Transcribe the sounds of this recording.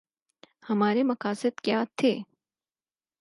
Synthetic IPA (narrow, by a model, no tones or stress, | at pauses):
hɐmaːɾemɐkaːsɪd̪kjaːt̪ʰeː